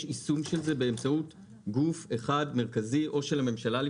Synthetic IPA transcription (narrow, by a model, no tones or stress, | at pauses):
ʃisumʃe̞lze̞be̞ːmt͡saut | ɡufe̞χadme̞ʁkaziʔo̞ʃelhame̞mʃalali